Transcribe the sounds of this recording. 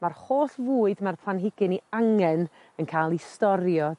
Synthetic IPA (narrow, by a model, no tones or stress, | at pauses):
marhoːɬvuːɨdmarpʰlˠanɦɪɡɨniaŋɛn | ənkʰajlˠistɔɾjɔ